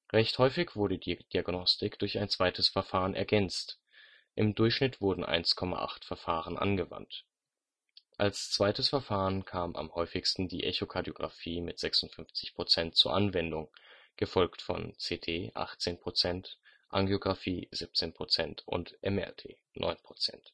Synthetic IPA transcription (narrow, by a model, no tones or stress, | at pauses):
ʁɛçthɔʏfɪçv̥ʊɐɾədid̥iaɡnɔstɪkd̥ʊɐçaɪnt͡sv̥aɪtʰəsfɛɐfaːʁənʔɛ̰ɐɡɛnt͡st | ʔɪmdʊɐçʃnɪtv̥ʊɐdn̩ʔa̰ɪnskʰɔma̰ʔa̰χtfɛɐfaːʁ̞ənʔa̰nɡəva̰nt | ʔalst͡sv̥aɪtəsfɛɐfaːʁənkʰaːma̰mhɔʏfɪçstn̩dḭːʔɛçokʰaɐdjoɡʁa̰fiːmɪtz̥ɛksʊntfʏnft͡sɪçpʁ̥ot͡sɛnt̚t͡suːɐʔanvɛndʊŋ | ɡ̥əfɔlktfɔ̰nt͡seːtʰeːʔa̰χtt͡seːnpʁ̥ot͡sɛnt | ʔaŋɡjoɡʁafiːzɪp̚t͡seːnpʁ̥ot͡sɛntʊ̰ntʔɛmɛ̰tʰḛː | nʔɔ̰ʏnpʁ̥ot͡sɛ̰nt